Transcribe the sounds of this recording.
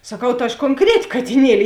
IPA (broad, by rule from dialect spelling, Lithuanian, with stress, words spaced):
sɐˈkɐʊ tɐ ɐʃ koːŋˈkrʲæːtʲɪ kɐtʲɪˈnʲiɛlʲɪ